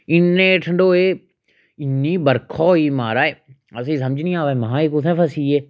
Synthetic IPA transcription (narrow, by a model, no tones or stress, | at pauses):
ɪnːẽʈʰəɳɖoːeː | ɪnːiːbəɾkʰɔːiːmaːɾaːe | ɐs̬esɐmd͡ʒnĩaːʋaːmɐɦãːeːkʊt̪ʰɛ̃fʰɐsiːeː